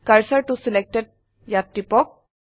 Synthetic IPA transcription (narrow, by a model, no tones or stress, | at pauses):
kaɹsaɹʈusilɛk̚tɛd̚ | jatːipɔk̚